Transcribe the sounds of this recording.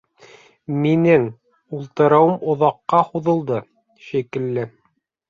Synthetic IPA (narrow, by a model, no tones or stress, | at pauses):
minɘŋ | ulˠt̪ɤ̆ɾɑwɤmŏðɑqːɑhuðɤ̆lˠd̪ɤ | ʃikɘ̆lːɘ